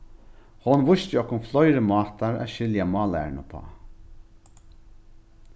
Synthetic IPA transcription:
hɔnʋʊʃt̪ɪɔhkːʊmflɔjɾəmɑːt̪aɾa̰ʃɪljamɑːlæ̰ɹnə̰pʰɑ̰ː

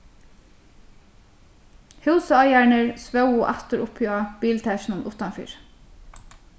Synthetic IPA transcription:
hɑʉsəɑjæːɳəɹsʋɑʊʊːʔæt̪əɾʊpʰøɑb̥iːlt̪ʰæʃn̩ənʔʊt̪ɑnfy̰ːɹ

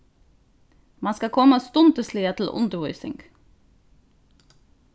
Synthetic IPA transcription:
mɑnskɑkʰɔməst̪ʊnt̪əsliːət̪ʰl̩ʔʊ̰nd̪əɾʋʊʏsɪ̰ŋɡ

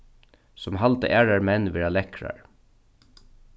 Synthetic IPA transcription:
sɔmɦalt̪ə̰ʔæːɹaɹmɛnːʋɛːɹalɛkɹa̰ɹ

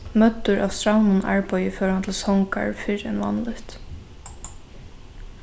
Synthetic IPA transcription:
mœt̪ːʊɾʔa̰ːvst̪ɹawnʊna̰ɹpajɪfœːɹhant̪ʰɪlsɔŋka̰ɹfɪɹɛ̰nvɑ̰nlʏht̪

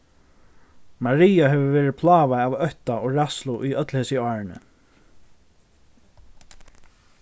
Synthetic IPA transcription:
maɹiːjaɦɛʋəvɛːɾɪpʰlaːvaavœht̪aɔɹaslʊʔʏœt̪lheːsɪɔːɹɪnɪ̰

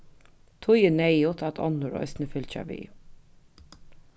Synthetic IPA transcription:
t̪ʰʊjənɛjʊt̪ʰat̪ʰɔ̰nːʊɾɔ̰jsnəfʏlt͡ʃa̰ʋḭː

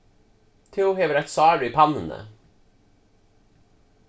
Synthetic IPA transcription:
t̪ʰeːʊheːʋəɾɛt̪sɑːɖʉiːpʰɑnənə̰

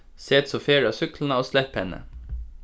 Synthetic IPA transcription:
seːt̪soːfeːɹɑːsʏklnəoːslɛphɛnə̰

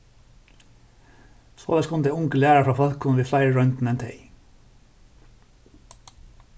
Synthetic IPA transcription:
so̰ːlæskʰʊnd̪eʊŋkəlæːɾəfɹɑːfɑlkʰʊnʋiːflɑɪɹɹœnt̪n̩ɛnt̪ʰḛɪ

